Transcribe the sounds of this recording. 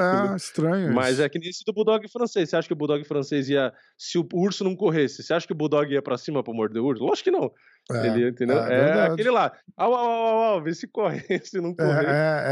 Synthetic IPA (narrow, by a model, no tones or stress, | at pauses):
ɛist̪ɾɐ̃ɲʊmɐzɛakɪnesɪd̪ʊbud̪ɔɡɪfɾɐ̃sesseaʃɐ̥kɪʊbud̪ɔɡɪfɾɐ̃seziɐ | sɪʊuɾsʊnɐ̃w̃koɦesɪseaʃɐ̥kɪʊbud̪ɔɡɪiɐpɾɐsĩmɐpɾʊmoɾt͡ʃɪd̪ɪuɾsʊlɔʒɪkɪnɐ̃w̃ | ḛlɪiɐĩnt̪ẽnd̪ewɛɾd̪akelɪlaawawawawawvesɪkɔɦesɪnɐ̃w̃koeɛ